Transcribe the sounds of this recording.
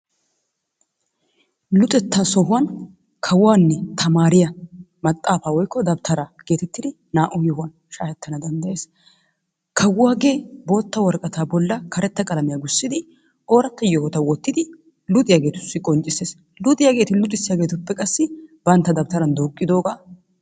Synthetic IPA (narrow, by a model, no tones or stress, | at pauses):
lʊt̪ʼɛt̪ːasɔɦʊwɐn | kʰɐwʊwaːnːɛt̪ʰɐmaːɾɪjɐ | mɐt̪ʼːaːfaːwɔjkːɔd̪ɐbt̪ʰɐɾɐɡ̥e̞ːt̪ɛt̪ːɪd̪ɪ | naːʔʊjɔhʊwɐn | ʃaːhɛt̪ʰːɐnɐd̪ɐnd̪ɐje̞ːs | kʰɐwʊwaːɡe̞ːbo̞ːt̪ːɐwɔɾkʼɐt̪aːbɔlːɐkɐɾɛt̪ːɐkʼɐlɐmɪjɐɡʊsːɪd̪ɪ | ʔo̞ːɾɐt̪ːɐjɔhɔt̪ɐwɔt̪ːɪd̪ɪ | lʊt̪ʼɪjaɡe̞ːt̪ʊ̥sːɪkʼɔnt͡ʃʼːɪseːs | lʊt̪ʼɪjaɡe̞ːt̪ɪlʊt̪ʼɪsːɪjaɡe̞ːt̪ʊpːɛkʼɐsːɪbɐnt̪ːɐd̪ɐb̚t̪ɐɾɐnd̪oːkʼːɪd̪o̞ːɡaː